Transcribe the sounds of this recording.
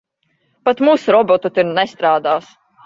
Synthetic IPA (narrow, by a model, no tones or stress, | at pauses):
pat̪muːsuɾɔbɔt̪ut̪iɾnɛst̪ɾaːd̪aːs